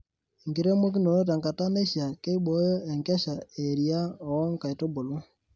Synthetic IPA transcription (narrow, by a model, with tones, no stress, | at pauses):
ŋɡi˨ɾe˦mo˦k̬i˦no˨ɾo˦t̬a˨ŋɡa˨ta˦ne˦ʃja˨ke˦i˦bɔ˨˦jɔ˦e˨ŋkɛ˦ʃa˨e˨ɾia˦ɔ˨˦ŋka˨i˨to˦bo˨lo˦